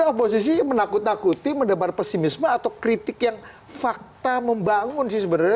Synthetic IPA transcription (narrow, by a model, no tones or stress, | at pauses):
opos̬is̬imənakʊt̪̚nakut̪iməndapat̪̚pɛsimismaat̪awkɾit̪ɪkjaŋ | fak̚t̪aməmbaŋʊnsɪhs̬əbənara